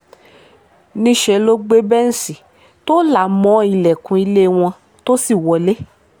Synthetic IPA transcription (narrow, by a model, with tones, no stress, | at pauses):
nĩ˧˦ʃɛ˨lo˦ɡ͡be˦bɛ˦n̩˨˦si˨ | to˦la˦˨mɔ̃˨˦i˧lɛ˨kũ˨˧i˧le˦˨w̃ɔ̃˧ | to˦si˦˨wɔ˨le˦